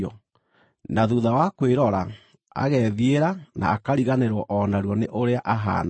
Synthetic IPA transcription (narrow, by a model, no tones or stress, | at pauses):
ɔ | naðuðawakweɾɔɾa | a̰ɣɛðieɾana̰ːkaɾiɣaneɾwɔʔɔnaɾwɔneʔoɾeaʔaɦa̰n